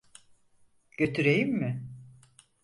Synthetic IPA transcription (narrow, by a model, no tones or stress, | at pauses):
ɟ̥ø̞t̪ʰyɾejimːɪ